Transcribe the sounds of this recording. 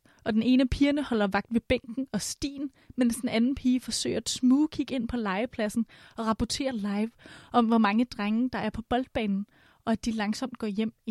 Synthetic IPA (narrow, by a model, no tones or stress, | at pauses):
ʔɒ̽d̥ene̝ːnəpʰiːɐnəhɒ̽l̰ɐʋɑ̈ɡ̥d̥ʋe̝b̥eŋ̰ɡ̥n̩ɒ̽sd̥ḭːn | mensd̥enænn̩pʰiːfɒ̽sø̰ɪɐsmuːkʰiɡ̥e̝n̰pʰɒ̽lɑ̈ɪəpʰlæsn̩ɒ̽ʁɑ̈pʰɒt͡sʰe̝̰ːɐlɑ̈ɪʋʔɒ̽m̰ʋɒmɑ̈ŋəd̥ʁaŋ̩d̥ɑ̈æɐpʰɒ̽b̥ɒ̽l̰d̥̚b̥ɛ̰ːnn̩ | ɒ̽æd̥ilɑ̈ŋsɒ̽m̰d̥̚ɡ̥ɒ̰ːjem̰